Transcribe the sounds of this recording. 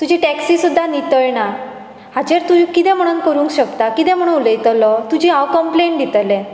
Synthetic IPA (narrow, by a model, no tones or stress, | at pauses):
t̪ud͡ʑʱeʈæksisud̪ʱːanit̪əɭna | ɦad͡ʑeɾt̪ukit̪ɛ̃m̤əɽ̃uːnkəɾũːŋkɕəkt̪akit̪ɛ̃m̤əɽũnuləjt̪lɔt̪ud͡ʑʱiakəmpleɳʈɖ̪it̪lẽ